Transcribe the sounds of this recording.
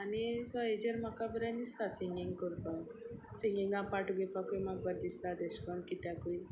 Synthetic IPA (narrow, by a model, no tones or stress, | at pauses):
anisɔed͡ʒəɾmakabəɾãnd̪ist̪asiŋɡiŋɡkɔɾbɔsĩŋɡiŋɡãpaʈuɡepakujmaɡ̚bəd̪̚d̪ist̪ad̪eskɔ̃nd̪̚kit̪jakuj